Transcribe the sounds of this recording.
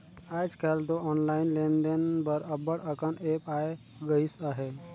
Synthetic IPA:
ajd͡ʒkɛlt̪oɔnlainlend̪enbəɾəbəɽəkənepae | ɡəisəɦe

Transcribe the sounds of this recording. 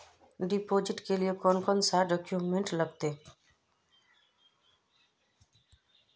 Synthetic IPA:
ɖɪpoːd͡ʒɪʈkeliekɔːnkɔnsaːɖɔːkjuːmẽɳʈləɡt̪eː

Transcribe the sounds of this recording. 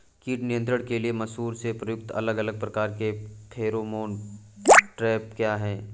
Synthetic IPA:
kiːʈnijə̃nt̪ɾəɽ̃keliemɐsɦuːɾsepɾɐjʊk̚t̪ɐ̰ləɡɐləɡ̚pɾɐkaːɾkepʰeːɾomoːn | ʈɾɛːp̚kjaːɦɛː

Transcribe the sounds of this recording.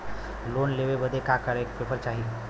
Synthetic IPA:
loːnleʋebəd̪ʱekakəɾek̚pepəɾt͡ʃaɦi

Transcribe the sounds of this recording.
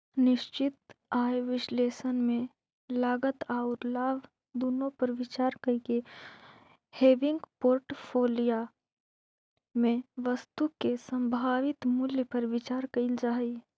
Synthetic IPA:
nɪʃt͡ʃɪt̪̚aːjʋɪʃleːsənmẽ | laːɡət̪aːʊɾlaːb | d̪uːnõpɐɾʋɪt͡ʃaːɾkəike | heːʋɪ̃ŋɡpoːɾʈpʰoːlija | mẽʋəst̪ukesə̃mbʱaːʋɪt̪mʊljpəɾʋɪt͡ʃaːɾkəɪld͡ʒaːi

